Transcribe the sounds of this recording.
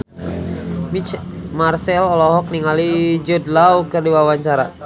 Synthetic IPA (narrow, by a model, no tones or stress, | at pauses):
imarsɛlɔlɔɦɔk̚niŋalid͡ʒudlaukɨrdiwawaɲt͡ʃaɾa̰